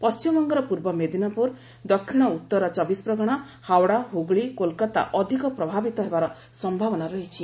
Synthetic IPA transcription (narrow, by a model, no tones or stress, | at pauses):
pɔst͡ʃimɔŋɡɔɾɔpuɾbɔmed̪inapuɾ | d̪ɔkʰːiɽ̃ɔut̪ːɔɾɔt͡ʃɔbispɾɔɡɔɽ̃ɔ | hawɽaɦuɡɭikolkat̪a̰ʔɔd̪ʱikɔpɾɔbʱabit̪ɔɦebaɾɔ | sɔmbʱabɔnaɾɔɦit͡ʃʰi